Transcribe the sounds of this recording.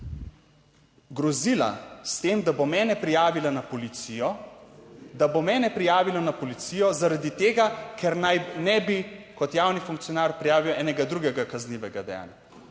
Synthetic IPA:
ɡɾɔziːla̰st̪eːmd̪abomɛːnɛpɾijaːʋilanapɔlit̪sijɔ | d̪abomɛːnɛpɾijaːʋilɔnapɔlit̪sijɔzaɾad̪it̪eːɡakɛɾnajnɛbikɔt̪jaːwnifuŋkt̪sijɔnaːɾpɾijaːʋiwɛːnɛɡad̪ɾuɡɛɡakazniʋɛɡad̪ɛja̰ːnja

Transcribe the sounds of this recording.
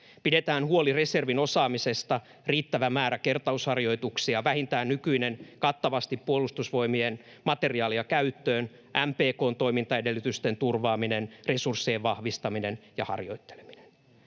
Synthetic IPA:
pide̞t̪æːnhuolire̞se̞rʋino̞sɑːmise̞st̪ɑ | riːt̪ːæʋæmæːɾæke̞rt̪ɑushɑrjo̞it̪uksiɑʋæhint̪æːnnykyinenkɑt̪ːɑʋɑst̪ipːuolust̪usʋo̞imien | mɑt̪e̞riɑːliɑkæyt̪ːøːn | ʔæmpeːko̞ːnt̪o̞jmint̪ɑedelːyt̪yst̪e̞nt̪urʋɑːminenresursːieʋʋɑhʋist̪ɑminenjɑ̰hɑ̰rjo̞̰it̪ːe̥le̥minen

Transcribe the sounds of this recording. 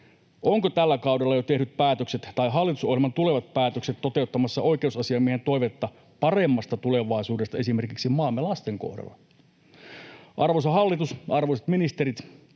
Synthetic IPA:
oŋkot̪ælːækɑwdelːɑjot̪ehnyt̪̚pæːt̪økset̪t̪ɑiɦɑlːit̪uso̞hjilmɑnt̪ule̞ʋɑt̪̚pæːt̪økset̪to̞t̪e̞ut̪ːɑmɑsːɑʔo̞ikeusɑsiɑmiehent̪o̞iʋet̪ːɑ | pɑre̞mːɑst̪ɑt̪ule̞ʋɑisuːdest̪ɑe̞sime̞rkiksimɑːmːelɑst̪eŋko̰hdɑ̰lːɑ̰ | ʔɑrʋos̬ɑɦɑlːit̪usɑrʋosɑ̥t̪minist̪eɾit̪

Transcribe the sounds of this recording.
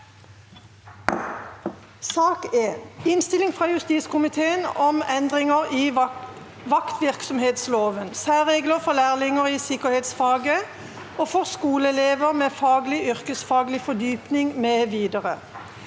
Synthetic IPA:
sɑːkeːnɪnst̪ɪlɪŋfʁɑːjʉst̪iːt̪skʊmɪt̪ʰeːənɔmɛnd̪ʁɪŋəʁiː | ʋɑkt̪ʋɪʁksɔmheːt̪sloːʋənsæːʁeːɡləʁfɔʁlæːʁlɪŋəʁiːsɪkəheːt̪sfɑːɡə | oːfɔʁskuːləɛleːʋəʁmeːfɑːɡlɪʔʏʁkəsfɑːɡlɪfɔd̪yːpnɪŋmeːʋiːd̪əʁə

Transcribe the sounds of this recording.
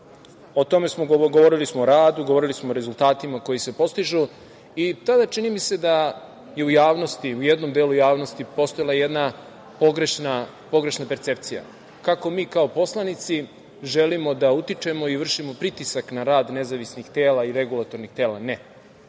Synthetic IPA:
ot̪o̞me̞smoɡoʋo̞ɾilismoːɾaːd̪uɡoʋo̞ɾilismo̞ːɾe̞zulˠt̪aːt̪imako̞jise̞po̞st̪iʒu | it̪ad̪at͡ʃinimise̞d̪a | je̞ujaːʋno̞st̪iujed̪no̞md̪eːlujaːʋno̞st̪ipo̞st̪o̞jlˠaje̞d̪na | poɡɾeʃna | po̞ɡɾe̞ʃnape̞ɾt̪se̞p̚t̪sija̰ | kako̞miːkao̞po̞slˠanit̪si | ʒe̞limo̞d̪aut̪it͡ʂe̞mo̞iʋr̩ʃimo̞pɾit̪isaknaɾaːd̪ne̞zaʋisnixt̪e̞ːlaiɾe̞ɡulˠat̪o̞ɾnixt̪e̞ːla̰ne

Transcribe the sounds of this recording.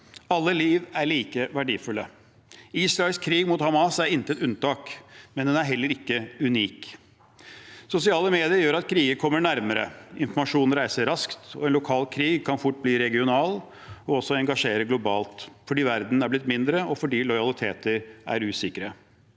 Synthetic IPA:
ɑlːəliːʋæɾɭiːkəʋæɖiːfʉlːə | iːsɾɑɪlskʰɾiːɡmʊːt̪hɑmɑsæɾɪnt̪ət̪ʉnt̪ɑːkmɛnd̪ɛnæɾɦɛlːəɾɪkːəʉniːk | sʊsɪɑːləmeːd̪ɪəɾjøːɾɑt̪̚kʰɾiːɡəɾkʰɔmːəɳæɾməɾə̰ɪnfɔɾmɑʂuːnn̩ɾæɪsəɾɑskt̪ɔ̰ɛːnʊkʰɑːlkʰɾiːɡkʰɑnfʊʈ̚ːbliːɾɛɡɪʊnɑːl | ɔɔsɔɛŋɡɑʂeːɾəɡlʊbɑːlt̪fɔɖiːʋæɾd̪n̩æɾblɪt̪ːmɪnd̪ɾəɔfɔɖiːlɔjɑlɪt̪ʰḛːt̪əɾæ̰ɾʉːsɪkɾə

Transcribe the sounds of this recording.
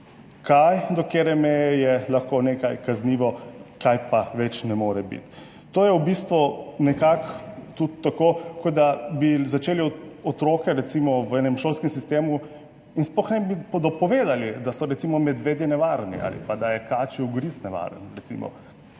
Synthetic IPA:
kajd̪ɔkeɾɛmɛjɛjɛlaxkonekajkazniːʋɔkajpaʋɛt͡ʃnɛmoːɾɛbḭt̪ː | oːjɛwbist̪ʋunɛkakt̪ut̪ːakokɔd̪abizat͡ʃeːliɔt̪ɾoːkɛɾɛt̪simɔwɛnɛmʃoːlskɛmsist̪eːmu | insplɔxnɛbipɔd̪ɔpɔʋeːd̪alid̪asɔɾɛt̪simɔmɛd̪ʋeːd̪jɛnɛʋaɾnḭʔa̰ːlḭpad̪ajɛkaːt͡ʃiuɡɾisnɛʋa̰ɾə̰nɾɛt̪sḭmɔ̰

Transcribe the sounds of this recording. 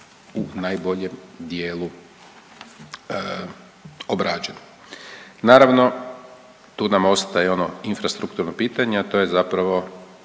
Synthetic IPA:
unajbo̞ʎe̞md̪je̞ːlu | obɾaːd͡ʒeno | naːɾaʋno̞ | t̪uːnamo̞st̪ajeo̞noinfɾast̪ɾukt̪uɾnopiːt̪aɲeat̪o̞je̞zapɾaʋo̞

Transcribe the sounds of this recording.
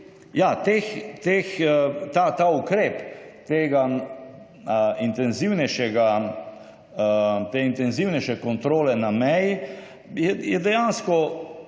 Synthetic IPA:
jat̪eːxt̪eːxt̪at̪aukɾeːpt̪eːɡa | int̪ɛnziwnɛʃɛɡa | t̪eint̪ɛnziwnɛʃɛkɔnt̪ɾoːlɛnamɛji | jɛjɛd̪ɛjanskɔ

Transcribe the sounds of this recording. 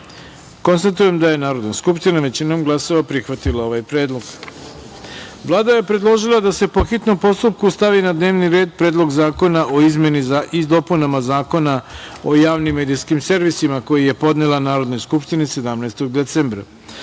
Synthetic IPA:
ko̞nst̪at̪uje̞md̪aje̞naːɾo̞d̪naskupʃt̪inaʋe̞t͡ɕino̞mɡlˠaso̞ʋapɾixʋat̪ilao̞ʋajpɾe̞ːd̪lˠo̞ɡ | ʋlˠaːd̪aje̞pɾe̞d̪lˠo̞ʒilˠad̪ase̞po̞xit̪no̞mpo̞st̪up̚kust̪aʋinad̪ne̞ːʋniɾe̞ːd̪̚pɾeːd̪lˠo̞ɡzaːko̞naʔo̞izmje̞nizaid̪o̞punamazaːko̞nao̞jaːʋnimːeːd̪ijskimse̞ɾʋisimako̞jije̞po̞d̪nelˠanaːɾo̞d̪nojskupʃt̪inise̞d̪amnaest̪o̞ɡd̪e̞t̪seːmbɾa̰

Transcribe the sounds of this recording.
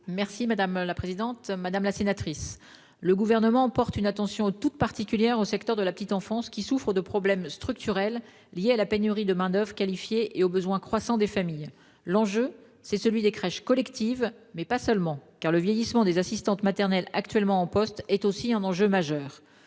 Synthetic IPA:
mɛʁsimad̪amlapχezid̪ɑ̃t̪mad̪amlasenat̪χis | ləɡuvɛʁnəmɑ̃pɔʁt̪ynat̪ɑ̃sjɔ̃t̪ut̪̚paʁt̪ikʲyljɛʁosɛkt̪œʁd̪əlapət̪it̪ɑ̃fɑ̃skʲisufχəd̪əpχɔblɛmst̪χyk̚t̪yʁɛlː | jealapenyʁid̪əmɛ̃d̪œvʁəkalifjeʔeobəzwɛ̃kχwasɑ̃d̪efamij | lɑ̃ʒø | sɛsəlɥid̪ekχɛʃkɔlɛkt̪ivmɛpasœlmɑ̃kaʁləvjɛjismɑ̃d̪ezasist̪ɑ̃t̪mat̪ɛʁnɛlakt̪ɥɛlmɑ̃ːpɔst̪ɛt̪osiɛ̃nɑ̃ʒømaʒœːʁ

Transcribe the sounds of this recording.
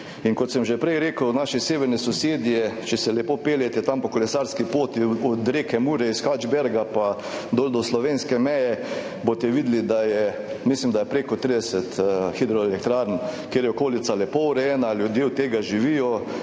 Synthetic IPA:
iŋkɔt̪sɛmʒɛpɾɛjɾeːkəwnaʃɛseːʋɛɾnɛsɔseːd̪jɛt͡ʃɛsɛlɛpoːpeːljɛt̪ɛt̪ampɔkolɛsaɾskipoːt̪iɔd̪ɾeːkɛmuɾɛisxad͡ʒbɛɾɡapa | d̪od̪ɔslɔʋeːnskɛmɛjɛ | bot̪ɛʋiːd̪lid̪ajɛ | mislimd̪ajɛpɾeːkɔt̪ɾid̪ɛsɛt̪xid̪ɾɔelɛk̚t̪ɾaɾnkjeːɾjɛokoːlit̪salɛpowɾɛjɛnalʲjʊd̪jewt̪eːɡaʒiʋijɔ

